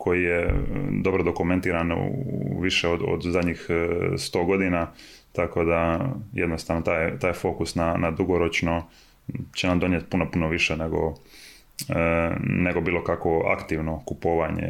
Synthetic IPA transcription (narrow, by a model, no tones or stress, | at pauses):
kʰo̞jijed̪o̞bɾod̪o̞kument̪iːɾan̰ | ʋiʃeod̪o̰d̪uzad̪ɲixst̪o̞ːɡo̞d̪ina | t̪ako̞d̪ajed̪nost̪aːʋnot̪aːjt̪aːjfo̞ːkusnanad̪uɡo̞ɾot͡ʃno̞ | t͡ɕenamd̪o̞njet̪̚punopunoʋiʃeneɡo̞̰ | ne̞ɡo̞biːlˠo̞kakʋo̞a̰kt̪iʋno̞kupoːʋaɲḛ